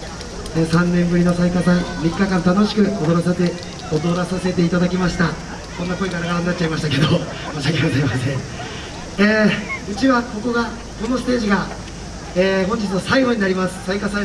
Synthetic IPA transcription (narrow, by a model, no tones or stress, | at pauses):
eːsãnːẽ̞mbɯɾino̞saikasamʲikːakãnt̪ano̞ɕi̥kɯ̟od̪o̞ɾasae | od̪o̞ɾasase̞t̪e̞it̪ad̪akʲimaɕi̥t̪a | ko̞nːako̞iɡaɾaɡaɾaɲnat͡ɕːt͡ɕaimaɕit̪ake̞d̪o | maɕakʲeɡozaimasẽ | eːɯ̟t͡ɕiβako̞ko̞ɡa | ko̞no̞sɨ̥t̪e̞ːʑiɡa | eːɦõ̞ɲ̟d͡ʑit͡sɨnosaiɡoɲ̟inaɾʲimasɨ̥saikasa